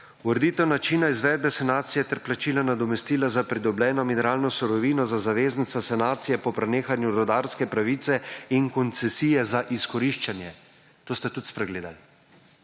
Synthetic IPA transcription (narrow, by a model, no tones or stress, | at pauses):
uɾɛd̪iːt̪ɛwnat͡ʃiːnaizʋɛːd̪̚bɛsanaːt̪sijɛt̪ɛɾplat͡ʃiːlanad̪ɔmɛst̪iːlazapɾid̪ɔblɛːnɔminɛɾaːlnɔsuɾɔʋiːnɔzazaʋeːznit̪sasanaːt̪sijɛpɔpɾɛneːxanjuɾɔd̪aːɾskɛpɾaʋiːt̪sɛiŋkɔnt̪sɛsiːjɛzaʔiskɔɾiʃt͡ʃanjɛ | t̪oːst̪at̪ut̪spɾɛɡleːd̪al